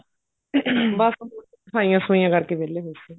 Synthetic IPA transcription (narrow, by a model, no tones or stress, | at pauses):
bas | saːĩjãːsʊĩjãːkəɾkeːbeːleːɦoiseː